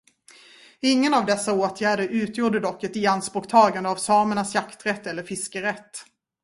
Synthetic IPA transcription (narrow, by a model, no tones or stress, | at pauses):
ɪŋːənavd̪ɛsːaoːt̪ʰjæːɖəɾʉ̟ːt̪ʰjuːɖəd̪ɔkːɛt̪ɪanspɔkt̪ʰɑːɡand̪əavsɑːməɳasjakt̪ɾɛt̪ːɛlːəɾfɪskəɾɛt̪ː